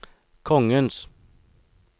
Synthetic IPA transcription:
kʰɔŋəns

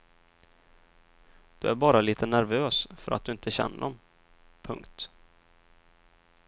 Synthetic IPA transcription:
d̪̥ɵæɾbɑːɾaliːt̪ʰənæɾvøːsfœɾat̪̚d̪ɵɪnt̪ʰəɕɛ̰nːəd̪ɔm | pʰɵ̰ŋkt̪

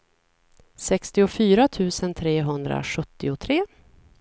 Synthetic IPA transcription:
sɛkst̪ɪʊfyːɾat̪ʰʉ̟ːsənt̪ʰɾeːɦɵnd̪ɾa̰ɧɵt̪ːɪʊt̪ʰɾeː

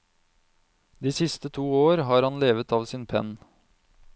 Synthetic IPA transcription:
d̪iːsɪst̪ət̪ʰuːoːɾɦɑːɾhɑnleːʋət̪ɑːʋsɪːnpʰɛ̰n

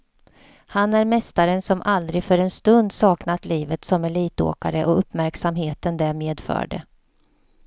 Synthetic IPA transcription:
hanæɾmɛst̪aɾənsɔmʔald̪ɾɪfœɾɛnst̪ɵnd̪sɑːknat̪liːvət̪sɔmæɭiːt̪o̰ːkaɾəʔɔɵpːmæɾksamɦeːt̪ənd̪ɛmeːd̪fœ̰ːɖə̰

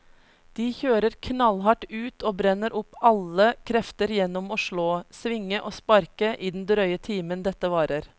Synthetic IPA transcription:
d̪̥iːçøːɾəɾkʰnɑlhɑʈʉːt̪ʰoːbɾɛnəɾʔʊpɑləkʰɾɛft̪əɾjɛnɔmoːʃɭoːsʋɪŋəʔoːspɑɾkəʔiːd̪n̩d̪ɾœʏət̪ʰiːmənd̪ɛt̪əʋɑːɾəɾ

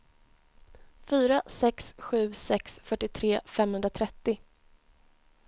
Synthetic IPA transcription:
fyːɾasɛksɧʉ̟ːsɛksfœʈːɪt̪ʰɾeːfɛmhɵnd̪ɾat̪ʰɾɛt̪ːɪ

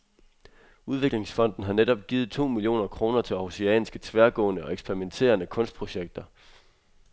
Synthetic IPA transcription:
uð̞ˠʋe̝ɡ̥le̝ŋsfɒ̽n̰d̥n̩ɦɑ̈neɾ̥ɒ̽b̥ɡ̥iːð̩ˠt͡sʰo̝̰ːmilio̝̰ːnɐkʰʁo̝ːnɐt͡sʰe̝lɑoseɛ̰ːnisɡ̥ət͡sʰʋæɐɡ̥ɔ̰̽ːnəɒ̽eɡ̥sb̥eɐʁiment͡sʰe̝̰ːɐnəkʰɔ̽nsd̥pʰʁo̝ɕeɡ̥̚d̥ɐ

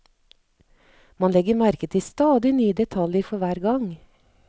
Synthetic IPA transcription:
mɑnlɛɡəɾmæɾkət̪ʰiːst̪ɑːd̪ɪnyːəd̪ɛt̪ʰɑljəɾfɔʋæːɾɡɑŋ

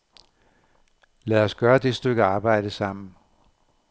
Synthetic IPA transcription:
læɒsɡ̥ɶːɐd̥e̝sd̥øɡ̥əɑ̈ːb̥ɑ̈ɪ̰d̥əsɑ̈m̰n̩

